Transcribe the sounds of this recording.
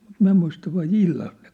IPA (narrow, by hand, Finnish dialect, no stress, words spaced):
mut min̞̆æ muistɑ ʋɑi ilːɑlk ne